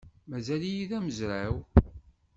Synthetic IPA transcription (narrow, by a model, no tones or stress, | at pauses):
mæzælijiðæməzɾaw